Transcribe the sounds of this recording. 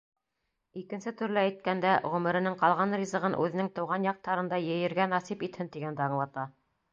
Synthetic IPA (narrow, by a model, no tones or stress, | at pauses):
ikɘ̆nsɘt̪ʉ̆ɾlɘːjt̪̚kænd̪æʁɵ̆mɘ̆ɾɘ̆nɘŋqɑlˠʁɑnrʲizɤ̆ʁɤnʔʉ̰ðɘ̆nɘŋt̪ɤ̆wʁɑnjɑq̚t̪ɑɾɤ̆nd̪ɑjɘ̆jɘ̆ɾɡænɑsipit̪hɘnt̪iɡænd̪æɑɴlˠɑt̪ɑ